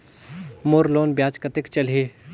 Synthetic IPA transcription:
moːɾloːnbjaːt͡ʃkət̪ɪkt͡ʃɐlɦe

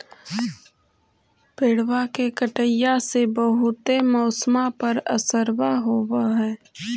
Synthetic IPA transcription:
peːɽwakekəʈəjasebəɦʊt̪emɔːsmapəɾə̰səɾwaɦoːwaɦɛː

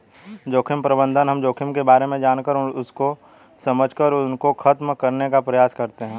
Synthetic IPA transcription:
d͡ʒoːkʰɪmpɾəbə̃nd̪ʱənɦɐmd͡ʒoːkʰɪmkebaːɾemẽd͡ʒaːnkəɾʊsko | sɐməd͡ʒʱkəɾʊnkokʰɐt̪mkɐɾnekapɾɐjaːskɐɾt̪eɦɛ̃ː

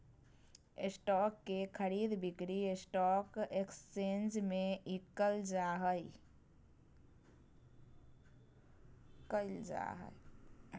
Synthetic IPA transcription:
esʈɔːkːekʰəɾiːd̪bɪkɾiesʈɔːkekst͡ʃẽːnd͡ʒmẽikəld͡ʒaːɦəi | kəld͡ʒa̰ɦə̰i

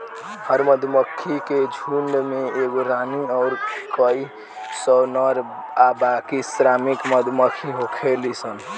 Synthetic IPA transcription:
həɾməd̪ʱməkʰːiked͡ʒʱuɳɖmeeɡoɾaniɔʊɾkəi | sənəɾabakisɾamikməd̪ʱməkʰiɦokʰelisən

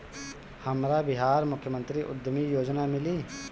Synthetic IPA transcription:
həmɾaːbɪɦaːɾmʊkʰjəmə̃nt̪ɾiʔʊ̰d̪əmiːjoːd͡ʒnaːmɪliː

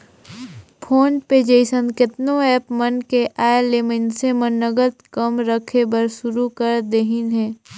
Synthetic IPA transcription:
pʰoːnped͡ʒeɪsə̃nkɪt̪nõɛːpmənkeʔaːeleːmənsemənːəɡət̪kəmɾəkʰebəɾʃʊɾukəɾd̪eːɦinɦɛ̃ː

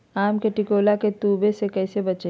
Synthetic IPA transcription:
aːmkeʈɪkoːlaket̪uːbesekɛːsebɐt͡ʃe

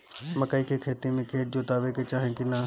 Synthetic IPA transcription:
məkaːiːkekʰeːt̪iːmẽːkʰeːt̪̚d͡ʒoːt̪aːʋeːket͡ʃaːɦẽːkinaː

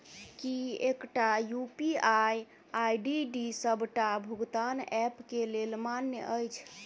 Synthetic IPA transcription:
kiekʈajupiaj | ajɖiɖisəbʱʈabʱuɡt̪anɛpkelelmanjə̰ʔəjt͡ʃʰ

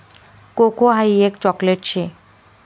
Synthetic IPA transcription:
kokoɦajekt͡ɕɔkleʈ̚t͡ɕʰe

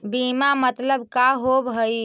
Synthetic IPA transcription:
bimamət̪ləbkaɦobɦəj

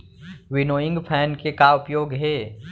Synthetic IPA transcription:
ʋɪnoːɪ̃ŋɡpʰɛːnkekaʊpjoːɡɦɛː

